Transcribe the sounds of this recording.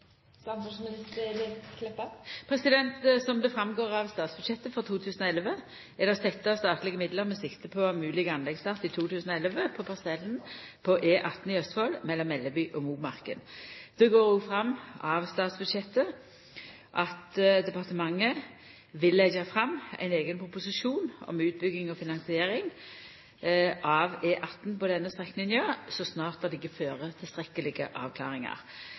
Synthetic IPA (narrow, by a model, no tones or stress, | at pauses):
sɑnt̪ʉsmɪnɪst̪əd̪ɛkʰlɛpːɑpʰɾɛsɪd̪ɛnt̪sɔmd̪ɛfɾɑmɡoːʁɑʋst̪ɑːt̪sb̥ʉd̪ɕɛt̪ːəfɔʁt̪ʰuːt̪ʰʉːsənɔɛlʋə | ɛd̪ɑst̪ɛt̪ːəɑst̪ɑːt̪lɪɡəmɪd̪ləʁmɛsɪkt̪əpʰɔmʉːlɪɡəɑnlɛɡsɑt̪ːɪt̪ʰuːt̪ʰʉːsənɔɛlʋəpʰɔpʰɑsɛlːənpʰɔʔeːʔɑt̪ːn̩ɪœst̪fɔlmɛlːɔmɛlːəbyːʔɔmuːmɑʁkə̰nd̪̥oɡoːɾuːfɾɑmːɑʋst̪ɑːt̪sbʉd̪ʃɛt̪ːə | ʔɑt̪d̪ɛpɑʁt̪əmɑŋːə | ʋɪlːɛɡɑfʁɑmːæ̰ɪneːɡənpʰʁʊpʊsɪʃuːnɔ̰mʉːt̪̚bʏɡːɪŋɔfɪnɑŋsɪeːɾɪŋ | ʔɑʋeːʔɑt̪n̩pɔd̪ɛnːəst̪ʁɛkːnɪnɪøːsɔsnɑːʁt̪̚ɑd̪ɪkːəføːʁət̪ʰɪlst̪ɾɛkːəlɪɡə̰ʔɑ̰ːʋkʰlɑ̰ːʁɪŋɑ̰ʁ